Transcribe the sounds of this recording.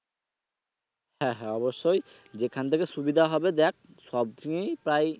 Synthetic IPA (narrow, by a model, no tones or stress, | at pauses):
hɛ̃ɦɛɔbɔsːɔj | zɛkʰant̪ʰekɛsubid̪ʱaɦɔbɛd̪ɛk̚ | sɔb̚t̪ʰiŋejpɾaj